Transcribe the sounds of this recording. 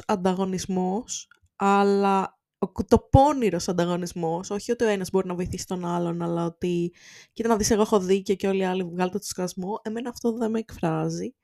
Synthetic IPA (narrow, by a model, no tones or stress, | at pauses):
ɐnd̪ɐɣo̞nizmo̞s | ɐlɐ | okut̪o̞po̞niɾo̞sɐnd̪ɐɣo̞nizmo̞so̞çio̞t̪io̞enɐzbo̞ɾinɐvo̞iθisi̥t̪o̞nɐlo̞nɐlɐot̪icit̪ɐnɐðise̞ɣoexo̞ðiceoceo̞liɐlivɣɐlet̪t̪o̥skɐzmoʔe̞me̞nɐːft̪oðe̞meːkfɾɐzi